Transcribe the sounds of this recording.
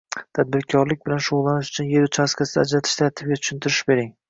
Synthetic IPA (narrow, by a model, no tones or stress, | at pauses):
t̪ʰad̪̚bɪɾkʲʰɒɾlɪk̚ʲbɪlanʃoʁlˠːanɪʃʊ̥t͡ʃʰʊnje̞ɾʊt͡ʃʰaskʲʰasɪd̪aːd͡ʒɾat̪ʰɪ̥ʃt̪at̪ʰɪb̚ɡʲat̪ʰʊ̥ʃɪnt̪ʰɪɾɪʃbe̞ɾɪŋ